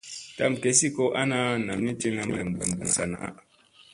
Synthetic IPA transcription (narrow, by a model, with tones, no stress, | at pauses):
ta˦˨mke˨si˦ko˦ʔa˦na˦na˨mni˦ti˦ŋa˨m˦e˨m˨bu˨m˨bṵ˨n˨sa˨na̰˨ʔ